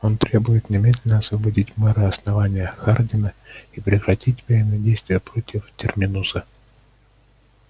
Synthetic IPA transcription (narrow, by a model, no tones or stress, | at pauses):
o̞nt̪ɾʲe̞bʊjɪt̪nʲɪmʲedʲlʲɪnəɐsvəbadʲitʲmɛɾɨɐsnɐvanʲɪjəxardʲɪnəipɾʲɪkɾɐtʲit̬ʲvɐjenːɨdʲejst̪vʲɪjəpɾotʲɪftʲɪrmʲɪnusə